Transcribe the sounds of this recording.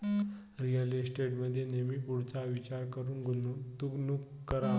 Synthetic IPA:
ɾijəlisʈeʈməd̪ʱːjenemiːpuɽt͡saʋit͡ɕaɾkəɾuːnɡt̪uɡnuk | kːəɾa

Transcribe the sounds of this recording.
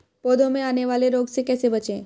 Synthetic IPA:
pod̪õmẽaneʋaleɾoɡsekɛsebət͡ʃẽ

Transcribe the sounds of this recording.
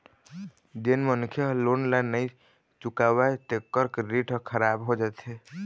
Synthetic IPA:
d͡ʒenmənkʰjəlonlanːəj | t͡ʃukabaet̪ekːəɾkeɾiʈkʰəɾabɦod͡ʒat̪e

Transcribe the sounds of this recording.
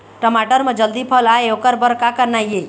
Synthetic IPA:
ʈəmaʈəɾmə̃d͡ʒəld̪ipʰəlaeokəɾbəɾkakəɾnajje

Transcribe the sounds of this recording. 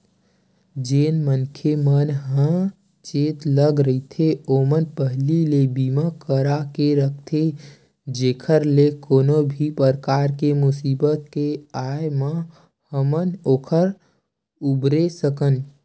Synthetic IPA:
d͡ʒeːnmənkʰemənɦə̃ | t͡ʃeːt̪ləɡɾəit̪ʰeoːmənpəɦlilebiːmakəɾakeɾək̚ʰt̪ʰe | d͡ʒeːkʰəɾlekoːnobʱipəɾəkaːɾkemʊsiːbət̪̚keaːjmã | həmənoːkʰəɾ | ubɾesəkən

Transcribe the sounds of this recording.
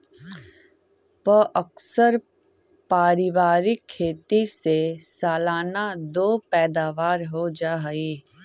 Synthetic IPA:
pəʔəksəɾ | paːɾɪʋaːɾɪkʰːeːt̪isesaːlaːnad̪oːpɛːd̪aːʋaːɾɦod͡ʒaːɦiː

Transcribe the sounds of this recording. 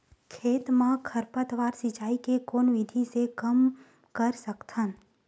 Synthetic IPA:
kʰeːt̪mãkʰəɾpət̪ʋaːɾsɪt͡ʃaːikekoːnʋɪd̪ʱisekəm | kəɾsəkt̪ʰən

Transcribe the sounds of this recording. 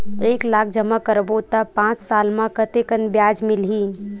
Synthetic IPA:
eːklaːk̚ʰd͡ʒəmakəɾbot̪apãːt͡ʃsaːlmãkət̪ekənbjaːd͡ʒmɪlɦiː

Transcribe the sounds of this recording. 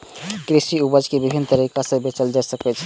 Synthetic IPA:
kɾisiubəd͡ʒkebibʱinːɔt̪aɾikasəbet͡ʃəld͡ʒasəket͡ʃʰi̥

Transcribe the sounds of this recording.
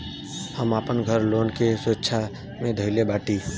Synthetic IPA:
həmaːpənɡʱəɾloːnkesətːʃʰa | mẽd̪ʱəɪlebaːʈiː

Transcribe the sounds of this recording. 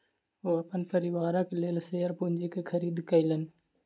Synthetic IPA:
oɐpənpəɾɪʋaːɾãkeleːlseːəɾpund͡ʒikekʰəɾiːd̪kəilən

